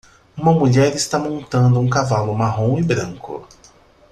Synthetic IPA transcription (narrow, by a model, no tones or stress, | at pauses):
ũmɐmuʎɛɾɪst̪amõnt̪ɐ̃nd̪ʊũkavalʊmaɦõw̃ɪbɾɐ̃ŋkʊ̰